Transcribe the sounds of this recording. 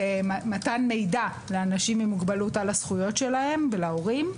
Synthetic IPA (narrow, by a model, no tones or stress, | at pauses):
matanme̞jda | leanaʃimimuɡbalutalasχujo̞tʃe̞lahe̞mvelao̞ʁim